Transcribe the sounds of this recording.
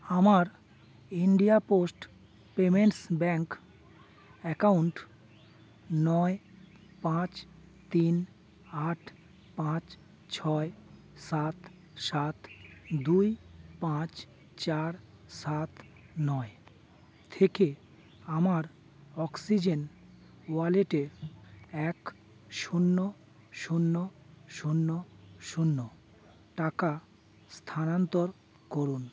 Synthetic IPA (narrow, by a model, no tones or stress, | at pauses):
amaɾ | iɳɖijaposʈ | pemeɳʈsbɛŋk | ɛkauɳʈ | nɔe | pãt͡ɕ | t̪in | aʈʰ | pãt͡ɕ | t͡ɕʰɔe | sat̪ | sat̪d̪ujpãt͡ɕ | t͡ɕaɾ | sat̪ | nɔe | t̪ʰeke | amaɾ | ɔksid͡ʑen | waleʈeɾɛk | ʃunːo | ʃunːo | ʃunːoʃunːo | ʈaka | st̪ʰanant̪oɾ | koɾun